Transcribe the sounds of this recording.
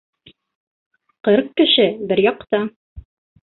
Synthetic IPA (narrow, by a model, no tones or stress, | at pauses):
qɤɾqkɘ̆ʃɘbɘɾjɑq̚t̪ɑ